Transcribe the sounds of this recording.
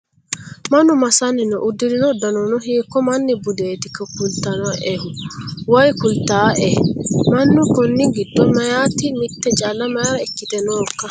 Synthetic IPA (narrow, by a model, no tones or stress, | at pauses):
mɐnːʊmɐsɐnːɪnɔʔʊd̪ːɪɾɪnɔd̪ɐnɔnɔɦiːkːɔmɐnːɪbʊd̪eːt̪ɪkːɐkʊlt̪ːɐnɐʔɛhʊwɐjkʊlt̪ːaːʔɛmɐnːʊkɔnːɪɡɪdːɔmɐjaːt̪ːɪmɪt̪ːɛt͡ʃʼɐlːɐmɐjaɾɐɛkːɪt̪ɛnoːkːɐ